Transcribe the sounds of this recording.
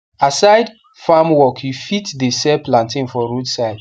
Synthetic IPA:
asaɪd | famwɔkʰjufitdesɛplãntĩnfɔɹudsaɪd

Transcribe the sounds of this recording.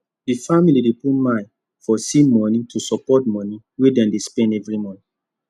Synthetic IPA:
difamilidepumãj̃n | fɔsimɔ̃nitusɔpɔtmɔ̃ni | wedɛ̃ndespɛ̃ndɛvɹimɔ̃ni

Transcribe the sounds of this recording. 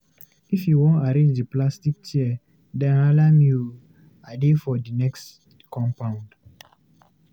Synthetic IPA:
ifjuwõntaɾẽnd͡ʒdiplastik̚tiɛ | dɛ̃nalamjul | adefɔdinɛks | kɔ̃mpãʊ̃nd

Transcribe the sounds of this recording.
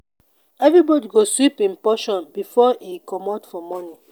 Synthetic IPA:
ɛvɹibɔdiɡoswipĩnpɔʃɔ̃nbifɔʔikʰɔmɔtfɔmɔni

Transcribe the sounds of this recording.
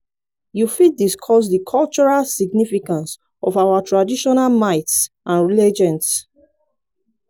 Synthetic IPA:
jufit̚diskʰɔs̬dikʰɔlt͡ʃɔɹalsiɡnifikãns | ɔvawatʰɹadiʃɔnalmaɪts | ʔãnɹilɛd͡ʒɛ̃ns

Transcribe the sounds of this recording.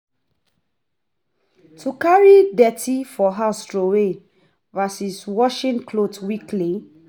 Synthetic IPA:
tʰukaɹidɛtʰifɔɦastɹowe | vasiswɔʃĩnkʰlotwikli

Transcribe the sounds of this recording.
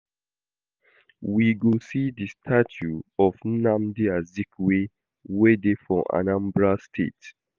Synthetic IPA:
wiɡusidistʰat͡ʃuɔvnãmdiazikwe | wedefɹɔ̃ʔã̰nãmbɹastʰḛt

